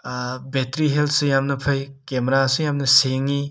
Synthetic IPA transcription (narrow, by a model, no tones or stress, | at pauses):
betɾiɦelt̚ʰsujamnɐpʰɐj | kemɾasujamnɐseŋi